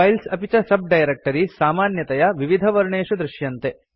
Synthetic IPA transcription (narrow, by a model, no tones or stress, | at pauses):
ɐjlsɐpit͡ʃɐsɐb̚ɖɐjɐɾek̚ʈɐɾisaːmaːnjɐt̪ɐjɐʋiʋid̪ʱɐʋɐɾɳeːʂud̪ɾɪʃjɐnt̪e